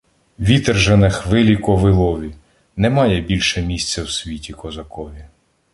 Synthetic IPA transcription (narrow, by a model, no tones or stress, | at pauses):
ʋʲit̪ɛrʒenɪxʋɪlʲikɔʋɪlˠɔʋʲi | nɛmɑjɛbʲilʲʃɛmʲisʲt͡sʲːɐwsʲʋʲitʲikɔzɐkɔʋʲi